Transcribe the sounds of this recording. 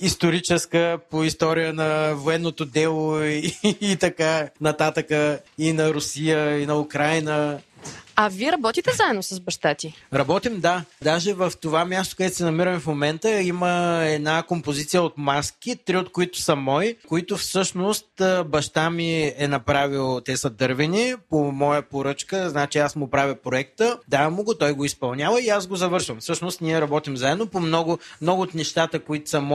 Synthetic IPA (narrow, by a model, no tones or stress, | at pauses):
ist̪oɾit͡ʃɛskəpoist̪ɔɾijənɐvoɛnːot̪od̪ɛlˠoiːt̪ɐkanɐt̪at̪əkəinɐɾʊsijəinɐukɾajnə | aviɛɾɐbɔt̪it̪ɛzaɛd̪nosəzbɐʃt̪at̪ʲiɾɐbɔt̪imd̪ad̪aʒɛvəft̪ovamʲjast̪o̥kɐd̪ɛsɛnɐmiɾəmɛfmomɛnt̪əiməɛd̪nakompozit̪sijəot̪mask̟it̪ɾiot̪koit̪ʊ̥sɐmɔjkoit̪ʊfsɤʃnost̪bɐʃt̪amiɛnɐpɾavilˠt̪ɛsəd̪ɤɾvɛnipomɔjəpoɾɤt͡ʃkəznat͡ʃiasmʊpɾavʲjəpɾoɛk̚t̪əd̪avɐmʊɡot̪ɔjɡoispɐlˠnʲjavəiasɡozɐvɤɾʃvɐmfsɤʃnost̪niɛɾɐbɔt̪imzaɛd̪nopomnɔɡʊmnɔɡʊːt̪nɛʃt̪at̪əkoit̪ʊ̥sɐm